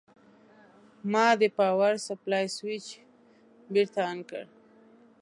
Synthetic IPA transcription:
mɑd̪əpɑwaɾsaplɑjswit͡ʃ | biɾt̪aːnkə̰ɽ

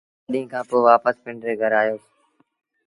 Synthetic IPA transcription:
ɗĩːkʰãːpoːʋaːpəspɪ̃ɳɖɾeːɡʱəɾaːjoːs

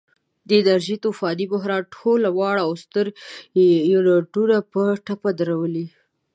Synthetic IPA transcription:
d̪əɪd̪aɾʒit̪ofɑd̪ibʊɦɾɑnʈʰolawɑɽaːwst̪əɾ | jɾaɖuɾapəʈapad̪əɾawəli

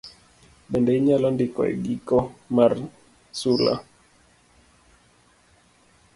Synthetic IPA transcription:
ɓɛndɛiɲalɔndikɔ̰ɛ̰ɡikɔmar | sula̰

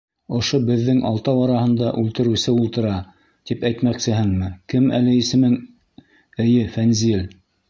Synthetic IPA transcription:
ŏʃobɘ̆ðːɘŋʔɑlˠt̪ɑwɑɾɑhɤ̆nd̪ɑʔʉlt̪ɘ̆ɾɘ̆sɘulˠt̪ɤ̆ɾɑ | t̪ipæjt̪mæksɘ̆ɦɘŋmɘkɘmæ̰lɘisɘ̆mɘŋ | ɘ̆jɘfænzil

